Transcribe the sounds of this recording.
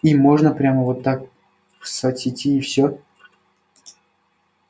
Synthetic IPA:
imo̞ʐnəpɾʲaməvot̪ːak̚ | fsɐtʲɪtʲiːfsʲɵ

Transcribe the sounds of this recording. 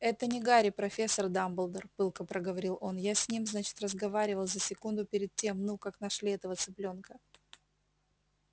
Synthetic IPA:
ɛt̪ənʲɪɡaɾʲɪpɾɐfʲe̞sːərd̪ambəlˠd̪ərpɨlˠkəpɾʔəɡəvɐɾʲilˠo̞njasʲnʲimznat͡ɕɪ̥t̪rəzɡɐvaɾʲɪvəlˠzəsʲɪkund̪ʊpʲɪɾʲɪd̪̚tʲemnukaknɐʂlʲiɛt̪əvət̪sɨplʲo̞nkə

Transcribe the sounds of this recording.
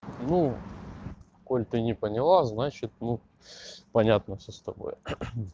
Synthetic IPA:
nu | kolʲt̪ɨnʲɪpənʲɪlˠaznat͡ɕɪt̪̚nu | pɐnʲat̪nəfsʲost̪ɐbo̰j

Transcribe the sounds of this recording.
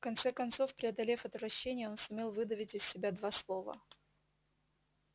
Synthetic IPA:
fkɐnt̪sɛkɐnt̪so̞fpɾʲɪɐd̪ɐlʲefɐt̪vɾɐɕːenʲɪjəo̞nsʊmʲe̞lˠvɨd̪əvʲɪtʲɪsʲːɪbʲad̪vaslˠo̞və̰

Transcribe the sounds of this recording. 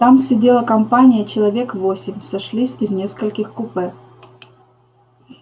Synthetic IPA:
t̪amsʲɪdʲelˠəkɐmpanʲɪjət͡ɕɪlˠɐvʲe̞kvosʲɪmʲsɐʂlʲisʲɪznʲe̞skəlʲkʲɪxkʊpɛ

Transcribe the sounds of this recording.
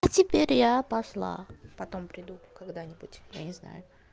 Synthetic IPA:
atʲɪpʲeɾʲjapɐslˠa̰pɐt̪ompɾʲɪd̪ukaɡd̪anʲɪbutʲja̰nʲɪzna̰jʊ

